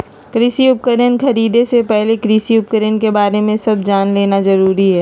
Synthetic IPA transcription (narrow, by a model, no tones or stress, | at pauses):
kɾɪsiʊp̚kəɾjənkɐɾiːd̪esepɛɦlekɾɪsiʊp̚kəɾjənkebaːɾemẽsɐb̚d͡ʒaːnleːnazɐɾuːɾiɦɛː